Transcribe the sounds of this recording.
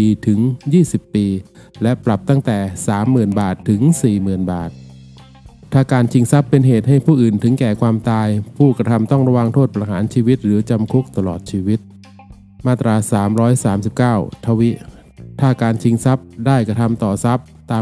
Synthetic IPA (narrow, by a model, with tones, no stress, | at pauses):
iː˧t̪ʰɯ˩˦ŋjiː˥˩si˨˩pːiː˧ | lɛ˦˥pɾa˨˩p̚t̪a˥˩ŋt̪ɛː˨˩saː˩˦mːɯː˨˩nbaː˨˩t̪ʰːɯ˩˦ŋsiː˨˩mɯː˨˩nba̰ː˨˩t̪̚ʰ | aː˥˩kaː˧nt͡ɕʰi˧ŋsa˦˥pːe˧nɦeː˨˩t̪̚ha˥˩jpʰuː˥˩ʔɯː˨˩nt̪ʰɯ˩˦ŋkɛː˨˩kʰwaː˧mt̪aː˧jpʰuː˥˩kɾa˧t̪ʰa˧mt̪ɔ˥˩ŋɾa˧wa˧ŋt̪ʰoː˥˩t̪̚pɾa˧ɦaː˩˦nt͡ɕʰiː˧wi˦˥t̪̚ɾɯː˩˦t͡ɕa˧mkʰu˦˥k̚t̪a˧lɔ̰ː˨˩t̪̚t͡ɕʰiː˧wi˦˥t̪̚ | maː˥˩t̪ɾaː˧saː˩˦mɾɔː˦˥jsaː˩˦msi˨˩p̚kaː˥˩wt̪ʰa˧wi˦˥ʔ | t̪ʰaː˥˩kaː˧nt͡ɕʰi˧ŋsa˦˥p̚daː˥˩jkɾa˧t̪ʰa˧mt̪ɔː˨˩sa˦˥p̚t̪aː˧